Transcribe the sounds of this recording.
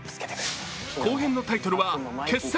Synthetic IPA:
koːɦẽ̞nːo̞t̪ait̪o̞ɾɯ̟βakʰe̞sːe

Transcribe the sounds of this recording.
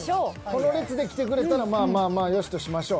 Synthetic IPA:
kono̞ɾet͡sɨd̪e̞kʲi̥t̪e̞kɯ̟ɾe̞t̪aɾamaːmaːmaːjo̞ɕi̥t̪o̞ɕimaɕo̞ː

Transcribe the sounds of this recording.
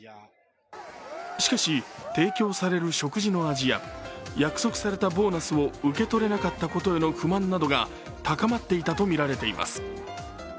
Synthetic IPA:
ɕi̥kaɕit̪e̞ːkʲo̞ːsaɾe̞ɾɯ̟ɕo̞kɯ̟ʑino̞aʑija̰jakɯ̥so̞kɯ̟̥saɾe̞t̪abo̞ːnasɨo̞ɯ̟ke̞t̪o̞ɾe̞nakat̪ːako̞t̪o̞e̞no̞ɸɯ̟mãnːad̪o̞ɡa | t̪akamat̪ːe̞it̪at̪o̞mʲiɾaɾe̞t̪e̞imʔa̰sɨ̥

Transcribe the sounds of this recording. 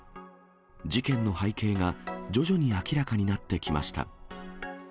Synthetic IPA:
d͡ʑikẽ̞nːo̞haike̞ːɡad͡ʑo̞ʑo̞ɲ̟iakʲiɾakaɲ̟inat̪ːe̞kʲima̰ɕi̥t̪a̰

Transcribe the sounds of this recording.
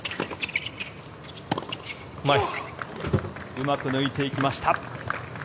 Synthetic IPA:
mai | ɯmakɯ̟nɯit̪e̞ikʲimaɕi̥t̪a

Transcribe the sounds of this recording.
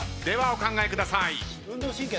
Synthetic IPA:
d̪e̞βaokãŋɡaekɯ̟d̪asai

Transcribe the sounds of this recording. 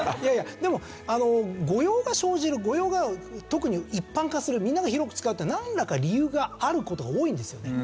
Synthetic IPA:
jajad̪e̞mo̞ | ano̞ɡo̞jo̞ːɡaɕo̞ːʑiɾɯ̟ɡo̞jo̞ːɡat̪o̞kɯ̟ɲ̟iipːãŋkasɨɾɯ̟mʲĩnːaɡaçiɾo̞kɯ̟t͡sɨ̥kaɯ̟t̪ːenãndakaɾʲijɯ̟ːɡaːɾɯ̟ko̞t̪o̞ɡaoːĩnd̪e̞sɨjo̞ne̞

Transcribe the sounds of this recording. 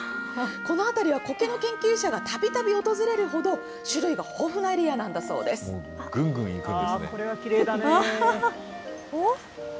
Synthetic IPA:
ko̞no̞at̪aɾʲiβ̞ako̞ke̞no̞kẽ̞ŋkʲɨːɕaɡat̪ʰabʲit̪abʲio̞t̪o̞zɨɾe̞ɾɯ̟ɦo̞d̪o̞ | ɕɨɾɯ̟iɡaho̞ːɸɯ̟naeɾʲianãnd̪aso̞̰ːd̪e̞sɨ̥o̰ | ɡɯ̟̃ŋɡɯ̟̃ḭikɯ̃sneoɾeɡakʲiɾeːd̪an

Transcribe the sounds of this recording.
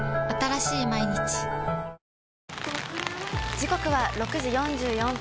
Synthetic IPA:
at̪aɾaɕiːmaiɲ̟it͡ɕi̥ | d͡ʑiko̞kɯ̟βaɾo̞kɯ̟ʑijõ̞ɲd͡ʑɨːjõ̞m

